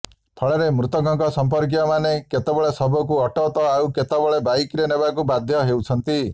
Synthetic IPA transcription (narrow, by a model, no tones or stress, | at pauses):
p̪ʰɔɭɔɾemɾut̪ɔɡʱɔŋkɔsɔmpɔɾk̬ijɔmaneket̪ebɔɭesɔbʱɔk̬uɔʈɔt̪ɔawket̪ebɔɭebajikɾenebakubad̪ʱjɔɦewt͡ʃʰɔnt̪i